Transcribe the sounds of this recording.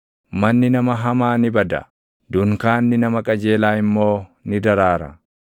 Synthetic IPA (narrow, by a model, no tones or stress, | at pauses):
mɐnːɪnɐmɐɦɐmaːnɪbɐd̪ɐ̰ | d̪ʊŋkaːnːɪnɐmɐkʼɐd͡ʒe̞ːlaːɪmːo̞ːnɪd̪ɐɾaːɾɐ̰